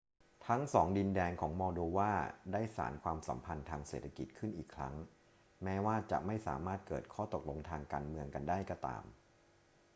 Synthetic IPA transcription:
t̪ʰa˦˥ŋsɔː˩˦ŋdi˧ndɛː˧ŋkʰɔː˩˦ŋmɔː˧doː˧waː˥˩daː˥˩jsa̰ː˩˦nkʰwaː˧msa̰˩˦mpʰa˧nt̪ʰaː˧ŋsḛː˨˩t̪ʰːa˧ki˨˩t̪̚kʰɯ˥˩nʔiː˨˩kʰɾa̰˦˥ŋ | mɛː˦˥waː˥˩t͡ɕa̰˨˩ʔma˥˩jsa̰ː˩˦maː˥˩t̪̚kɤ̰ː˨˩t̪̚kʰɔː˥˩t̪o˨˩k̚lo˧ŋt̪ʰaː˧ŋkaː˧nmɯ˧əŋka˧ndaː˥˩jkɔː˥˩t̪a̰ː˧m

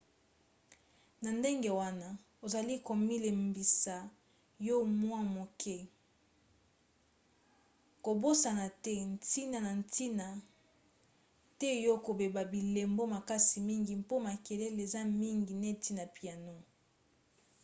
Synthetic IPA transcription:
na˨nde˦ŋɡe˦wa˦na˦ | o˨za˨li˦ko˨mi˦le˨mbi˨sa˨ | jo˦mwa˦mo˨kʰɛ˦ | ko˨bo˦sa˨na˨tɛ˦n˨ti˦na˨na˨n˨ti˦na˨ | tɛ˦jo˦ko˨be˨ba˨bi˨le˨mbo˦ma˨ka˦si˨mi˦ŋɡi˨m˦po˦ma˨ke˨le˦le˨za˦mi˦ŋɡi˨ne˦tʰi˦na˨pi˨a˨no˦

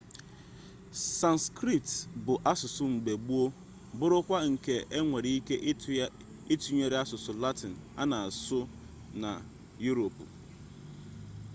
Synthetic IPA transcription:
sa˦nskɾi˦tbʊ˨ʔa˦sʊ˨sʊ˦ŋ͡m̩˨ɡ͡be˨ɡ͡bu˦o˦ | bʊ˦ɾʊ˦kʷa˦ŋ̩˨ke˨ʔe˦ŋʷe˨ɾi˦i˦ke˦ʔ | i˦tu˨˦ɲe˨ɾe˦a˦sʊ˨sʊ˨la˦tɪ˨n̩˨a̰˦na˨a˨sʊ˦ | na̰˨ | ju˦ɾo˨p

